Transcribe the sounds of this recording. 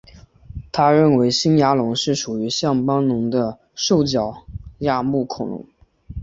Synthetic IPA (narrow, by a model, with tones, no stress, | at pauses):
t̪ʰa˥ɻə˥˩nwe˧˥ɪɕi˥nja˧˥lʊ˧˥ŋʂɻ̩˥˩ʂu˨˩y˧˥ɕjɑ˥˩ŋpɑ˥ŋnʊ˧˥ŋd̪ə˧ | ʂo˥˩ʊt͡ɕjɑ˨˩ʊja˥˧mu˥˩kʰʊ˨˩ŋlʊ̰˧˥ŋ